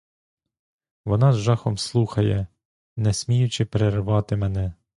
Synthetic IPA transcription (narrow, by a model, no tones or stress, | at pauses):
ʋɔnɑzʒɑxɔmslˠuxɐjɛ | nɛsʲmʲijʊt͡ʃɪpeɾerʋɑt̪ɪmɛnɛ